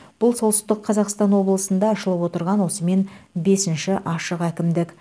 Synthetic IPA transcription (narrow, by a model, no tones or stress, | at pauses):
b̥ʊlˠso̞lˠsəzd̪əqʰɑzɑqst̪ɑnwo̞blˠəsənd̪ɑːʃəlˠəpwo̞t̪əɾʁɑnwo̞səme̞nbe̞sɪnʃɪʔɑʃəqækʲɪmd̪ɪk